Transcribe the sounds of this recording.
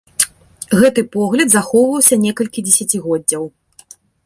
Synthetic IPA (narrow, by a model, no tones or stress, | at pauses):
ɣɛt̪ɨpɔɣlʲɐd̪zaxɔwvɐwsʲɐnʲɛkɐlʲkʲid͡zʲesʲat͡sʲiɣɔdd͡zʲːɐw